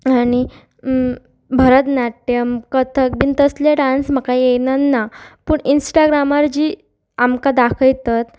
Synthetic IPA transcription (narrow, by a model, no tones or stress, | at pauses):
aɽ̃i | bʱəɾət̪naʈːəmkət̪ʰək̚bint̪əsleɖãnsməkajejnənːapuːɳinsʈaɡɾamaɾd͡ʑiː | amkad̪akʰəjt̪at̪